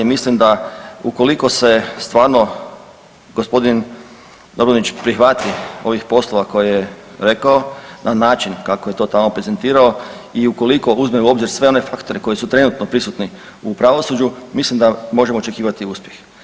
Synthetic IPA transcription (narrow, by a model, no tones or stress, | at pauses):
mislimd̪auko̞liko̞se̞st̪ʋaːɾno̞ | ɡo̞spo̞d̪in | d̪obɾonit͡ɕpɾixʋat̪io̞ʋixpo̞slˠo̞ʋako̞jijeɾe̞kaonʔanaːt͡ʃinkakoje̞t̪o̞t̪amo̞pɾeze̞nt̪iːɾao̞ | iuko̞liko̞uzmeuo̞bziɾsʋe̞o̞ne̞fakt̪o̞ɾeko̞jisut̪ɾe̞nut̪no̞pɾisut̪ni | upɾaʋosud͡ʒumislimd̪amo̞ʒe̞mot͡ʃe̞kiːʋat̪iuspje̞x